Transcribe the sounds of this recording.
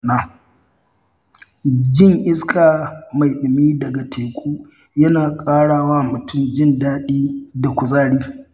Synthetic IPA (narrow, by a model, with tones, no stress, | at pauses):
naː˦ | d͡ʒɪ˦ŋʔɪ˦skʰaː˨ma˨jɗɪ˨miː˦dɐ˨ɡa˨tʰeː˨kʷʼuː˦ | jɐ˦naː˨kʼaː˦ɽaː˦waː˦mʊ˨tʰʊ˦md͡ʒɪ˦ndaː˦ɗiː˦da˨kʷʊ˨zaː˦ɽiː˦